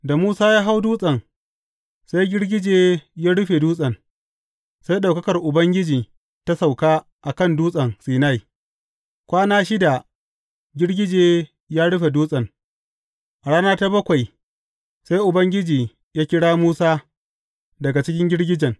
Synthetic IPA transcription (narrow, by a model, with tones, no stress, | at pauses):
da˨muː˦saː˦jaː˦ɦa˦wduː˦sʼɐ˨ŋ | sa˦jɡʲɪ˦ɽɡʲɪ˦d͡ʒeː˦jaː˦ɽʊ˦ɸe˨duː˦sʼɐ˨n | sa˦jɗa˨kɐ˦kɐ˨rʔʊ˨bɐ˦ŋɡʲɪ˦d͡ʒiː˨ | ta˦sa˨wkaː˦ | ʔa˨kɐ˦˨nduː˦sʼɐ˨nsiː˨na˦˨j | kʷaː˦naː˦ʃɪ˦da˨ | ɡʲɪ˦ɽɡʲɪ˦d͡ʒeː˨ | jaː˦ɽʊ˦ɸe˨duː˦sʼɐ˨ŋ | ʔa˨ɽaː˦naː˦ta˦bɐ˦kʷa˨j | sa˦jʔʊ˨bɐ˦ŋɡʲɪ˦d͡ʒiː˨ | jaː˦kʲɪ˦ɽaː˦muː˦saː˦ | dɐ˨ɡa˨t͡ʃɪ˦kʲɪ˦ŋɡʲɪ˦ɽɡʲɪ˦d͡ʒɐ˨ŋ